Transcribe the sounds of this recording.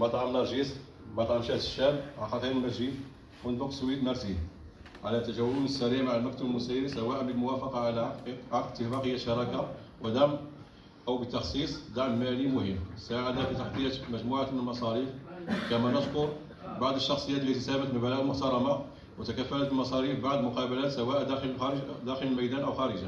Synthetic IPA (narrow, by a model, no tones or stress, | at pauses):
mɑt̪ˤʕlːɑʒis | mɑt̪ˤʕɑnʃæht̪əʃːæmʕaxɑt̪ˤiɾəmæʒi | mʊnd̪ʊqswit̪nɑɾˤt̪i | ʕalæt̪æʒæwːlunəsːæliʕmaʕəlmæk̚t̪ubəlmʊsæjɾisæwæʔænbəlmʊwæfɑqɑʕlæʕɑət̪ːəhfɑqəjːæʃɑɾˤɑka | wʔəd̪æm | ʔəwbət̪ːɑxsˤisˤd̪aʕmmælimʊhəmːsaʕad̪afit̪aħt̪ijːæt̪mæʒmuʕamənəlmɑsˤɑɾifkæmænəʃkʊɾ | baʕd̪ˤəʃːɑxsˤəjːæt̪lit̪isæbət̪mənbəlæɣəlmʊħt̪ɑɾˤɑma | wət̪ækæfːælət̪əlmɑsˤɑɾifbaʕd̪mʊqɑbælæt̪sæwæʔd̪əlxd̪æxələlmæjd̪ænʔəwxæɾəʒa